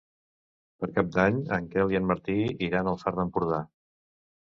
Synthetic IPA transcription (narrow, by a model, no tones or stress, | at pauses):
pəɾkap̚d̪aɲəŋkɛliənməɾt̪iiɾanəlˠsaɾðəmpuɾð̞a